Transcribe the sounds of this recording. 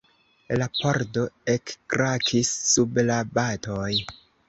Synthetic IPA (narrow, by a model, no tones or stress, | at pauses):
lapʰoɾdo̞ekːɾakʰisːublabato̞j